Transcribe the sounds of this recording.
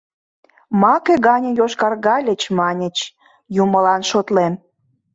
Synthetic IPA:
mɑkeɣɑnʲə̆joʃkɑrɣɑlʲət͡ɕmɑnʲət͡ɕ | juməlɑnʃot̪lem

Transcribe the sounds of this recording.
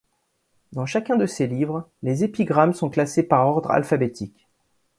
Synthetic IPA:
d̪ɑ̃ʃakʲɛ̃d̪əselivʁlezepiɡʁamsɔ̃klasepaʁɔʁd̪ʁa̰lfabet̪ʰikʲ

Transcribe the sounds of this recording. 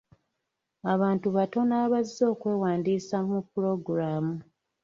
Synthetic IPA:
aβaːntuβato̞naːβazːo̞ːkwe̞ːwaːndiːsamupːuɾo̞ɡuɾaːmu

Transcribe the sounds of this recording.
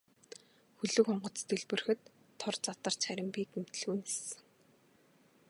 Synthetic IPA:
xɵɮɵ̆kɔɴɢɞ̆t͡st̪eɮpɵ̆rxɘ̆t̪ʰː | ɔrt͡sat̪ə̆r̥t͡ɕχæɾʲɪ̆mpiːkem̥t̪̆ɮuːnxe̥sɘ̆ŋ

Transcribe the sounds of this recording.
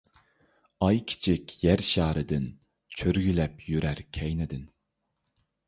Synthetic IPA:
ɑjkʲʰi̥t͡ʃʰɪkʲjæɾʃɑːɾɨd̪ɪn | t͡ʃʰøɾɡʲylɛpjyɾæɾkʲʰɛjnɛd̪ɪn

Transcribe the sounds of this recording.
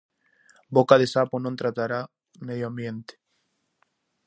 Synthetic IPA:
bokaðesaponõnt̪ɾat̪aɾa | meðjoambjẽnt̪e̥

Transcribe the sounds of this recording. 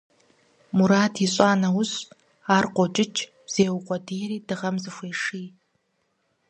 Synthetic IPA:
muɾaːtʰiɕʷʼaːnɐwʊɕ | aːrqʷɔt͡ʃʼɪt͡ʃʰʼ | z̥eːwʊqʷʼɔdijɾiːdɨʁɐmzɨxʷeːʂiː

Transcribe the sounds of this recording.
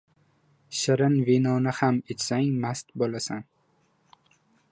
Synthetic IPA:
ʃɪɾɪnvinɒnɪhamet͡ʃsaŋʲmast̪bolasan

